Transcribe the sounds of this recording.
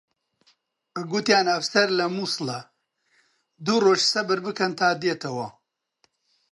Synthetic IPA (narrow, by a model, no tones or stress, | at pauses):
ɡut̪jaːnɐfsɐɾlɐmuːsɨlɐ | d̪uroːʒsɐbɨɾbɨkɐnt̪ʰaːd̪eːt̪ʰɐwɐ